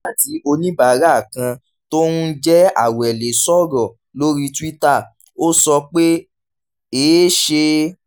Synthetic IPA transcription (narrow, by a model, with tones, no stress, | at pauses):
a˦˨ti˨˦o˧nĩ˦ba˨˦ɾa˦˨kã˧ | to˦nũ˦d͡ʒɛ˦a̰˦˨wɛ˨le˨sɔ˦ɾɔ̃˨ | lo˦ɾi˦ti˦ta˦˨ | o˦sɔ˧k͡pe˦ | eː˨˦ʃe˧